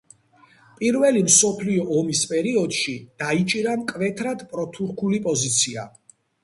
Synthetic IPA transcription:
pʼiɾvɛlimsɔpʰliɔʔɔmispʼɛɾiɔd̪̥ʃid̪̥ait͡ʃʼiɾamkʼvɛt̪ʰɾad̪̥pʼɾɔt̪ʰuɾkʰulipʼɔzit̪sʰia̰

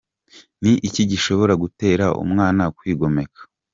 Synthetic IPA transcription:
niʔiciɟiʃo̞βo̞ɾaɡute̞ːɾaʔṵmŋaːnakwiːɡo̞me̞kḁ

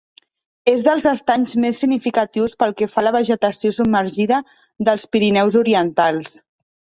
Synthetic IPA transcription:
ezðəlˠzəst̪aɲzmesːiɡnifikət̪iwspəlˠkɛfaləβ̞əʒət̪əsiosub̚məɾʒiðə | ðəlˠspiɾinɛwzuɾiənt̪alˠs

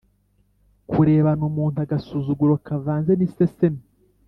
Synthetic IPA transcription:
kʰuɾe̞ːβanumuːn̥taɡasuːzuɡuɾokavaːnzenisesemi

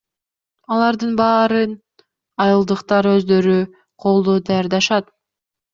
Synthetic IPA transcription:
ɑlˠɑɾd̪ɯnbɑːɾɯn | ɑjɯlˠd̪ɯqt̪ɑɾø̞zd̪ø̞ɾy | qʰo̞lˠd̪oːd̪ɑjɑɾd̪ɑʃɑt̪

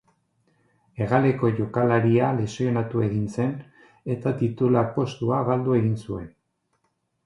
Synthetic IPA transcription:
e̞ɣale̞ko̞ʝo̞kalaɾialesio̞nat̪ue̞ɣinse̞n | e̞t̪at̪it̪ulapo̞st̪uaβald̪ue̞ɣinsue̞n

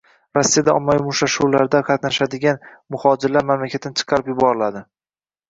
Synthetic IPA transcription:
ɾasːijad̪aɒmːamʊʃaʃuwlaɾd̪aqʰɑt̪naʃad̪ɪɡʲanmʊhɒd͡ʒɪɾlaɾmamlakʲʰat̪ʰːant͡ʃʰɨ̥qʰɑɾɪpjʊbɒɾɪlad̪ɪ

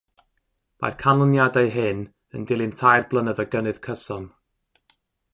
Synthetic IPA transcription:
ma̰rkʰanɔnjadajɦɨn | ə̰ndɪlˠɨntʰajrblˠənəðəɡənɨð̥kʰəsɔn

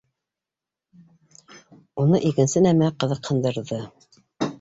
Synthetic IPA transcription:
unɤʔikɘ̆nsɘnæmæqɤ̆ðɤqhɤ̆nd̪ɤ̆ɾðɤ

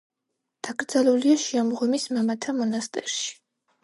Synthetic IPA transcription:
d̪̥aɡɾd̪zaluliaʃiamʁɔmismamat̪ʰamɔnast̪ʼɛɾʃi̥

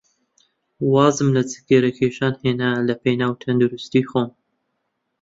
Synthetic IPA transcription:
wɑːzɨmlɐt͡sʰɨ̥ɡeɾɐkʰeːʃɑːnheːnalɐpʰejnaːwt̪ʰɐnd̪uɾust̪iːxoːn

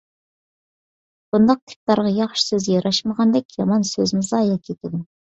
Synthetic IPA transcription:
b̥und̪ɑq̚t̪ʰɪ̥p̚t̪ɑɾʁɑjɑχʃi̥søzjɑɾʔɑʃməʁɑnd̪ɛkʲjɑmɑnsøzɪmɪzɑjɑkʲʰet̪ʰɪd̪u

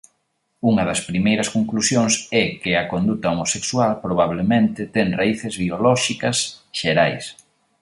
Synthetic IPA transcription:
uŋɐðɐspɾimejɾɐskoŋklusjoŋsɛkɪɐkond̪ut̪ɐomosekswalpɾoβ̞aβ̞lemẽnt̪ɪt̪ɛŋraiθɪzβiolɔʃikɐsʃeɾajs

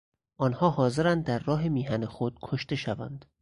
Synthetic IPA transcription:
ʔɒːnhɒːhɒːze̞ɾænd̪̚ːæɾːɒːɦe̞miːɦænexod̪̥̚kʰoʃt̪e̞ʃævæ̰nd̪̥

